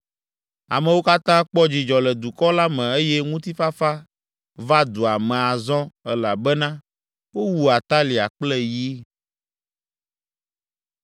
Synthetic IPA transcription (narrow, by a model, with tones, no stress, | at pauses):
a̰˨mɛ̃˨wo˦ka˦t̪ã˦k͡pɔ˦d͡ʑi˨d͡ʒɔ˨lɛ˨d̪u˨kɔ˦la˦mɛ̃˨e˦jɛ˦ŋũ˦t̪i˦fa˦fa˦ | va˦d̪u˨a˨mɛ̃˨a˨zɔ̃˦ɛ˦la˨bɛ˦nã˦ | wo˦wu˦a˨t̪a˦li˨a˨k͡plɛ˦ji˦